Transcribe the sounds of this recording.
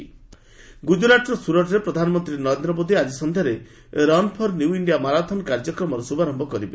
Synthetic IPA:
ɡud͡ʒulaʈɾɔsuɾɔʈɔɾepɾɔd̪ʱanɔmɔnt̪ɾinɔɾend̪ɾɔbod̪ʱiad͡ʒisɔnd̪ʱjaɾe | ɾɔnpʰɔɾnjuwiɳɖijamaɾad̪ʰʱɔnɔkaɾd͡ʒɔkɾɔmɔɾɔsubaɾɔmbʱɔkɔɾibe

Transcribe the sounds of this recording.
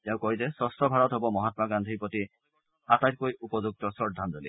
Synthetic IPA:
iawkɔitɛsɔstʰɔbʱaɹɔtɦobɔmɔɦatmaɡandʱipoti | atajt̚kojupɔzuk̚tɔsɔd̪ʱːanzolḭ

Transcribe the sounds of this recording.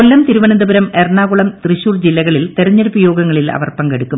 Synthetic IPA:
kolːɐmt̪iɾuʋɐnɐnd̪ɐbɐɾɐmerɳaːɣuɭɐmt̪riɕuːrd͡ʑilːɐɣɐɭilt̪eɾɐɲːɐɾupːɐjo̞ːɡɐŋːɐɭilɐ̰ʋɐrpɐŋɡeɽukːum

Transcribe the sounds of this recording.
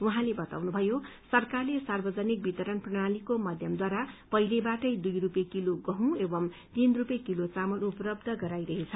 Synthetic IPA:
uɦãlebʌt̪a̰wnubʱʌjosʌrkarlesarbʌd͡zʌnik̚bit̪ʌɾʌnprʌɽ̃alikomʌd̪ʱjʌmd̪waɾapʌɦilebaʈʌjd̪ujrupjekiloɡʌɦũebʌm | t̪inrupjekilot͡samʌluplʌbd̪ʱʌɡʌɾajɾʌɦet͡sʰʌ

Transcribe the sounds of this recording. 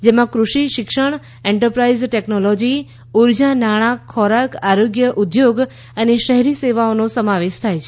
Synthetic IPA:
d͡ʒemãkɾuʃiʃɪkʃəɳ̃ | eɳʈəɾpɾaizʈeknolɔd͡ʒi | uɾd͡ʒanaɽ̃ãkʰɔɾakaɾoɡjəʔud̪joɡ | əneʃəɦɾiseʋaonosəmaʋeʃt̪ʰajt͡ʃʰe

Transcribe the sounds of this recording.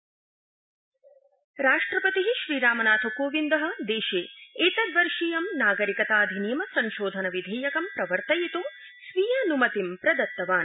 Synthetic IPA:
ɾaːʂʈɾɐpɐt̪iɦiʃɾiːɾaːmɐnaːt̪ʰɐkoːʋind̪ɐɦɐ̆d̪eːʃeːeːt̪ɐd̪ʋɐɾʂiːjɐmnaːɡɐɾikɐt̪aːd̪ʱinijɐmɐsɐ̃ŋʃoːd̪ʱɐnɐʋid̪ʱeːjɐkɐmpɾɐʋɐɾt̪ɐjit̪u | sʋijanumɐt̪impɾɐd̪ɐt̪ːɐʋaːn

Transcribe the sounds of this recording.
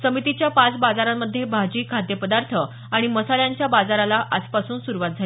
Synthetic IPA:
səmit̪it͡ɕjapat͡sbad͡zaɾamːəd̪ʱːjebʱad͡ʑiːkʰad̪jəpəd̪aɾt̪ʰə | aɽ̃iməsaljaɲt͡ɕjabad͡zaɾalaʔaspasuːnsuɾuʋat̪̚d͡zʱal

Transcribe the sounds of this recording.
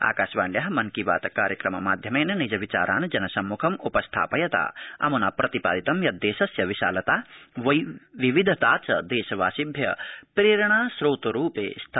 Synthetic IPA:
a̰ːkaːʃʋaːɳɖjɐɦɐmɐnkiʋa̰ːt̪ɐkaːɾjɐkɾɐmɐmaːd̪ʱjɐmeːnɐnid͡ʒɐʋit͡ʃa̰ːɾʔa̰ːnd͡ʒɐnɐsɐmːukʰɐmupɐst̪ʰa̰ːpɐjɐt̪a̰ːɐ̰munaːpɾɐt̪ipa̰ːd̪it̪ɐmjɐd̪ːeːʃɐsjɐʋiʃa̰ːlɐt̪aːʋɐjʋiʋid̪ʱɐt̪aːt͡ʃɐd̪eːʃɐʋaːʃibʱjɐpɾeːɾɐɳaːsɾoːt̪ɐɾuːpḛːst̪ʰ

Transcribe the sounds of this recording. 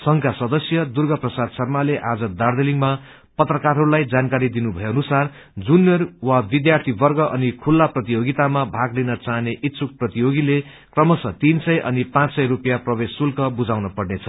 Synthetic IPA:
sʌŋkʰasʌd̪ʌsjʌd̪urɡʌprʌsad̪sʌrmaleʔad͡zʌd̪ard̪eliŋma | pʌt̪rʌkarɦʌɾulajd͡zankaɾid̪inubʱʌeʌnusar | d͡zunːjʌrwabid̪jart̪ʰibʌrɡʌʔʌnikʰulːaprʌt̪ijoɡit̪amabʱaɡlinʌt͡saɦneʔit̪sʰuk̚prʌt̪ijoɡile | krʌmʌsʌt̪insʌjʔʌ̰nipãt͡ssʌjrupjaprʌbesːulkʌbud͡zawnʌpʌrnet͡sʰʌ̥

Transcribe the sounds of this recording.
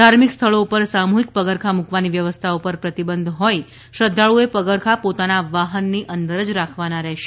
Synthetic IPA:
d̪ʱaɾmikst̪ʰəɭoupəɾsamuɦik̚pəɡəɾkʰamukʋaniʋjəʋəst̪ʰaopəɾpɾət̪ibənd̪ʱɦɔj | ʃɾəd̪ʱːaɭuepəɡəɾkʰapot̪anaʋaɦənːiʔənd̪əɾəd͡ʒɾakʰʋanaɾɛɦʃe̥

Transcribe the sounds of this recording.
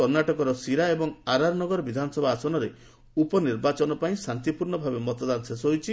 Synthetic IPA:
ɔɾnaʈɔkɔɾɔsiɾaebɔŋaɾaɾnɔɡɔɾɔbid̪ʱanɔsɔbʱaːsɔnɔɾe | upɔniɾbat͡ʃɔnɔpaĩsant̪ipuɾɳɔbʱabemɔt̪ɔd̪anɔsesɔɦojt͡ʃʰi

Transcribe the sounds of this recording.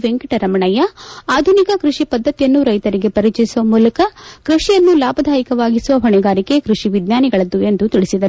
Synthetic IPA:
ʋeŋkiʈɐɾɐmɐɳɐjɐaːd̪ʱunikɐkɾuʂipɐd̪ʱːɐt̪ijɐnːuɾɐjt̪ɐɾiɡe̞pɐɾit͡ʃisuʋɐmuːlɐkɐkɾuʂijɐnːulaːbʱɐd̪ʱaːjikɐʋaːɡisuʋɐɦɔɳɛɡaːɾike̞kɾuʂiʋid̪naːniɡɐɭɐd̪ːue̞nd̪ut̪iɭisid̪ɐɾu

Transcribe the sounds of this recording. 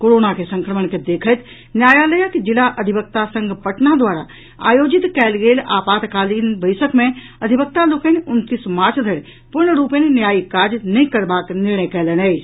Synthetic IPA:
koɾonakesə̃ŋkɾəməɳked̪eːkʰət̪ | njaːjaləjəkd͡ʒɪlaʔəd̪ʱibək̚t̪asə̃ŋɡpəʈnad̪waːɾa | a̰ːjoːd͡ʒɪt̪kɛːlɡeːla̰ːpaːt̪kaːlinbəɪsəkmẽ | ɐd̪ʱibək̚t̪alokənʊnt̪ismaːɾt͡ʃʰd̪ʱəɽ | pʊɾnːəɾuːpənenjaːikaːd͡ʒnəĩkəɾbaːknɪɾɳəjkɛːlənəː

